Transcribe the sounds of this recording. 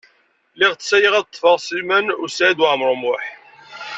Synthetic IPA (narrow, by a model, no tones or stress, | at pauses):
liʁt͡ssæjəʁæðt̪ˤːfɑʁsilmənusʕid̪wʕmɾˤʊmʊħ